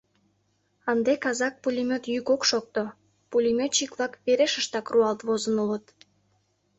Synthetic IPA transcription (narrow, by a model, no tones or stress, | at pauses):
ɑnd̪ekɑzɑk̚pulʲimʲøt̪jykokʃok̚t̪o | pulʲimʲøt̪t͡ɕikβlɑkβeɾeʃəʃt̪ɑkruɑlt̪βozənulət̪